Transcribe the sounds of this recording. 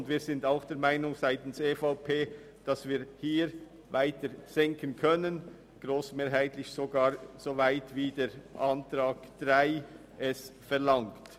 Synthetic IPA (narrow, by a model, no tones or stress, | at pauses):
ndviːzɪndaʊxd̥eːɐɾmaɪnʊŋzaɪtn̩seːfaʊpʰeː | d̥ɑsviːɾhiːɾ | vaɪtəɾz̥ɛŋkʰənkʰœnən | ɡ̥ʁoːsmeːɾɦaɪtlɪçsoɡaːɾz̥ovaɪtviːdeːɾʔantɾaːɡ̥d̥ʁaɪ | ʔɛsfɛʁlaŋkt